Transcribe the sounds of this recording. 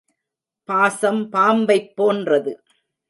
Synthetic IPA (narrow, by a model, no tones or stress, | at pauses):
paːsɐmpaːmbɐɪpːoːndrɐðɯ